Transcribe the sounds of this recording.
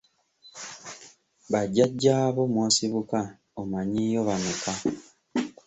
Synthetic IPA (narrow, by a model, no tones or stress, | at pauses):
βaɟaɟːaːβo̞mwoːsiβuka | omaɲijoβanuka